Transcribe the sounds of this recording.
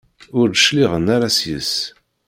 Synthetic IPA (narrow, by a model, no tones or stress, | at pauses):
ʊɾd̪əʃliʁənːaɾasjə̰s